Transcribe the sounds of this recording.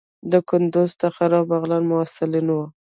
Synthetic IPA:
d̪əkʊnd̪ʊzt̪əxaɾɑbaɣlanmʊasɪlinwo

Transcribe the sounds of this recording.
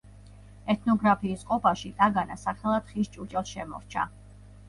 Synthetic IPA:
ɛt̪ʰnɔɡɾapʰiːsqʼɔpʰaʃit̪ʼaɡanasaχɛlˠat̪χist͡ʃʼut͡ʃʼɛlˠʃɛmɔ̰ɾt͡ʃʰa̰

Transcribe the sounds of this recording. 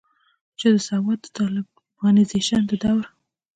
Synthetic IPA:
t͡ʃəd̪əsawɑt̪̚ːə̥t̪ɑlɪb | ɣɑnizeʃand̪əd̪awɾ

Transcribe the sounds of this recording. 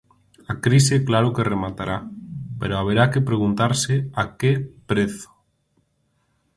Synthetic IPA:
akɾiseklaɾokeremat̪aɾʔapḛɾoaβ̞eɾakepɾeɣ̞unt̪aɾseakepɾeθʊ̥

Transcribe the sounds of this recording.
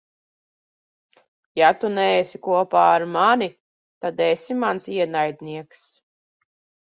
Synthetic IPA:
jat̪unɛesikuɔpaːɾmanʲi | t̪ad̪ɛsimansiɛnajd̪niɛks

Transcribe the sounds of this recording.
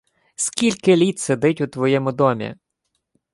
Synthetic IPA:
skʲilʲkɪlʲit̪sed̪ɪtʲʊt̪ʋɔjɛmʊd̪ɔmʲḭ

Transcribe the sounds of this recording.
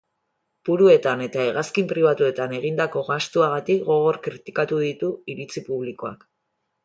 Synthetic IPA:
b̥uɾue̞t̪ane̞t̪ae̞ɣaskimpɾiβat̪ue̞t̪ane̞ɣ̞ind̪ako̞ɣast̪uaɣ̞at̪ikɡo̞ɣo̞ɾkɾit̪i̥kat̪uðit̪uiɾit͡sipuβliko̞a̰k

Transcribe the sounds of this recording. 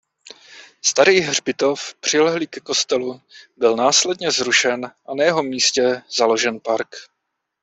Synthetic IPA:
st̪aɾiːɦr̝bɪt̪o̞fpr̝̥ɪlɛɦliːkɛko̞st̪ɛlubɪlnaːslɛdɲɛzɾuʃɛnʔanajɛɦo̞miːscɛz̥alo̞ʒɛnpaɾk

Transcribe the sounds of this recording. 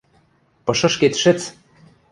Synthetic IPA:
pɤ̆ʃɤ̆ʃket̪ʃɘ̆t͡s

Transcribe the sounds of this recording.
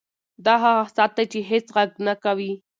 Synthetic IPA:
d̪aɦasat̪at͡ʃiɦet͡sɢɑknakawi

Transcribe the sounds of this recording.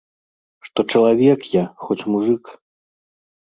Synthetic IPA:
ʂt̪ɔt͡ʂɐlˠavʲɛkjaxɔt͡sʲmuʐɨk

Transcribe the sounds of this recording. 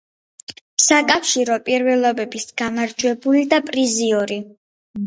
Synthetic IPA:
sakʼafʃiɾɔpʼiɾvɛlˠɔbɛbisɡ̥amaɾd͡ʒwɛbulid̪apʼɾiziɔɾi

